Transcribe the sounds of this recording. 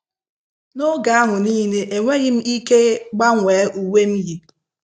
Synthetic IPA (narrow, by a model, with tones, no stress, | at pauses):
no˦ɡa˨a˦ɦʊ˨niː˦ne˨ʔe˨ŋʷe˦ɣɪ˦m̩˦i˦ke˦ɡ͡ba˦ŋʷeː˨˦ʔu˨we˦m̩˦ji˨